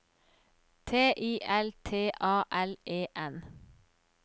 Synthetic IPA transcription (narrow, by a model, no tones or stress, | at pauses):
t̪ʰeːʔiːʔɛlt̪ʰeːʔɑːʔɛlʔeːʔɛn